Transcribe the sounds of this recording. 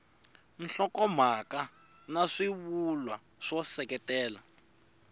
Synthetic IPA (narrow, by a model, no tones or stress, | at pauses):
n̩ɬɔkɔm̤aka | naʂiβulwa | ʂɔsɛkɛtɛːla